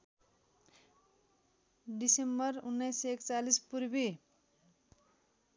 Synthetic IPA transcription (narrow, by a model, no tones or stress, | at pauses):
ɖisembʌrunːʌjsekt͡salispuɾbi